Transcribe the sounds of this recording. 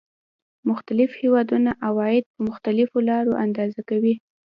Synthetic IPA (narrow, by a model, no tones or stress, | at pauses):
mʊxt̪alɪfhewɑd̪unaʔawɑjɪd̪̚pəmʊxt̪alɪfolɑɾoʔand̪ɑzakawi